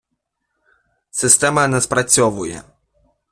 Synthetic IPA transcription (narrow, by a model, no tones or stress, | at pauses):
sɪst̪ɛmɐnɛspɾɐt͡sʲɔʋʊjɛ̰